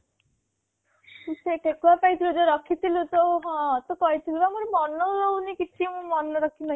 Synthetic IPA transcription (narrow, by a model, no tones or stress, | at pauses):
seʈʰekuapajt̪ʰilud͡ʒɔɾʌkʰit̪ʰilut̪oɦɔ̃t̪okɔjt̪ʰilubamuɾmɔnːɔɾownikit̪ʰimumʌnːɔɾɔkʰinʌ